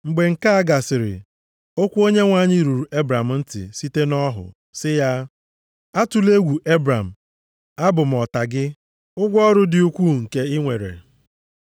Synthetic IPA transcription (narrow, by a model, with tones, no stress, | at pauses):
ŋ͡m̩˨ɡ͡be˨ŋ̩˨ka˦a˦ɡa˨sɪ˨ɾɪ̰˨ | o˦kʷu˦o˦ɲe˦ŋʷa˦˨ɲɪ˦ɾu˨ɾu˨ʔe˦bɾa˨m̩˨n̩˦tɪ̰˨si˦te˦nɔ˦ɦʊ̰˨ | sɪ˦ja˦ | a˦tu˨le˦ɡʷu˨ʔe˦bɾa˨m̩˨ | a˦bʊ˨m̩˨ɔ˨ta˨ɡɪ˦ | ʊ˦ɡʷɔ˦ɾʊ˦dɪ˨u˦kʷu˦ŋ̩˨ke˦ɪ˦ŋʷe˨ɾḛ˨